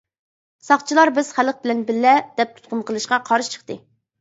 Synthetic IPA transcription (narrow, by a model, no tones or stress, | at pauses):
sɑχt͡ʃʰilˠɑɾbɪz̥χæləq̚bɪlɛnbɪlːɛd̪̥ɛp̚t̪ʰu̥t̪̚qʊnqʰəlˠɨʃqɑqʰɑɾɨʃt͡ʃʰə̥χt̪ɨ